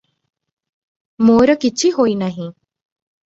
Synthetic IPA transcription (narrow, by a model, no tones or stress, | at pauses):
moɾəkit͡ʃʰiɦoinaɦĩ